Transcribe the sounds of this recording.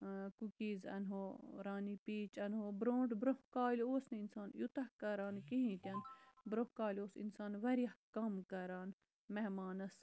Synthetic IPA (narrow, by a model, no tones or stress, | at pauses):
kukiːzɐ̰nɦoːɾaːnipiːt͡ʃɐnɦoːbɾõːɳʈbɾohkaːloːsnɐinsaːnjut̪ɐhkɐɾaːnkiɦĩːt̪ʲɐnbɾohkaːlʲoːsḭnsaːnʋɐɾiɐhkɐmkɐɾaːn | meɦmaːnɐs